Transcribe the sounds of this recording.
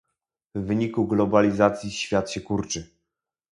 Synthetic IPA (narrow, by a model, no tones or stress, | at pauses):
vːɘɲikuɡlɔbalʲizat̪sʲjiɕfʲjat̪ɕɛkuɾt͡ʂɘ